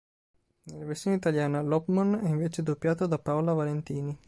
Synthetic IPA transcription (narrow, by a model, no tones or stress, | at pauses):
nelːaversjoːneit̪aljaːnalɔpmanɛiɱveːt͡ʃed̪opːjaːt̪od̪apaolavalent̪iːni